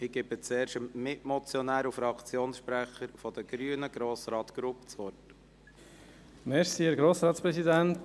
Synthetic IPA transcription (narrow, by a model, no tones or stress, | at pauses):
ɪɡ̥ɪbət͡sɛːɾʃəmːɪʔmɔt͡sjɔnæːɾufɾɑkʰt͡sjoːnsʃpɾæχəɾfɔd̥̪əɡ̥ɾyənəɡ̥ɾoːsɾɑːt̪ɡ̥ɾupt͡sʋɔt | mɛʃsiɪɾɡɾoːsɾɑːtspɾɛsidænt